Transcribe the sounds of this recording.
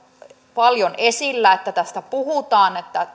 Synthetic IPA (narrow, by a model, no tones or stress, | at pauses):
pɑljonesilːæet̪ːæt̪æst̪æpuhut̪ɑːnet̪ːæ